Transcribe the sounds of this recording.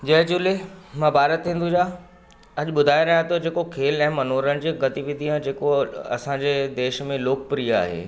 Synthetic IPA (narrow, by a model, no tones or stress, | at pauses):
d͡ʑɐɦd͡ʑulemãːbaːɾət̪ʰːĩːnd̪ud͡ʑaː | ɐʄɓʊd̪ʱaːiɾɐjat̪od͡ʑeːkokʰeːlɛ̃ːmɐnoːɾənɪ̆d͡ʑeːɡɐt̪iʋɪd̪ʱijãd͡ʑeːkoɐ̰sãɲd͡ʑeːd̪eːʃmẽloːk̚pɾija̰ːɦḛː